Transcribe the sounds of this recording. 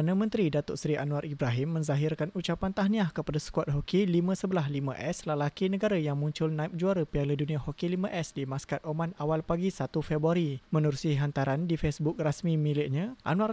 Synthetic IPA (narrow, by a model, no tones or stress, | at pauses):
anəmə̃nt̪ɾidat̪ɔʔsɾiʔanwaɾʔibɾaɦɪmːə̃ɲzaɦɪrkanut͡ʃapant̪aɦniahkəpadasə̥kuat̪̚ɦokilimə̃səbəlaɦlimə̰̃ʔɛsləlakinəɡaɾajaŋmuɲt͡ʃʊlnaip̚d͡ʒuaɾəpialəduniahokilimə̃ʔɛsdimaskat̪̚ʔomanawalpaɡisat̪ufebɾuaɾimə̃nuɾusiɦant̪aɾandifesbuk̚rasmimilɪʔ̚ɲãʔa̰nũar